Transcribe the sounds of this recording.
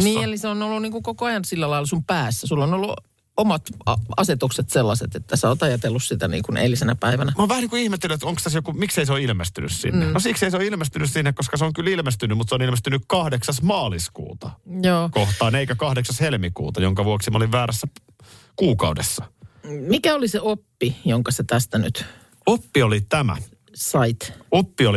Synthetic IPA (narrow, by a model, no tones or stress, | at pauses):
nniːeliseonolːuniːŋkukokoɑjɑnsilːælɑilɑsumpæːsːæsulːonolːu | omɑt̪ɑɑ̰set̪ukset̪selːɑset̪et̪ːæseoːt̪ɑjɑt̪elːussit̪ænḭːŋkunʔḛlisenæpæiʋænæmɑːʋæhæniːŋkuihmet̪ːelyet̪oŋkst̪æsjokumikseiseoilmest̪ynyssḭnːenosikseiseoilmest̪ynyssinːekkoskɑseoŋkylilmest̪ynːymmut̪seonilmest̪ynykkɑhdeksɑsmɑːliskṵːt̪ɑjoːkoht̪ɑːneikækɑhdeksɑshelmikṵːt̪ɑjoŋkɑʋuoksimɑoliʋʋæːɾæsːæ | kuːkɑudḛsːɑmikæoliseopːijoŋkɑset̪æst̪æny̰t̪ | opːiolit̪æmæ̰ | sɑit̪opːioli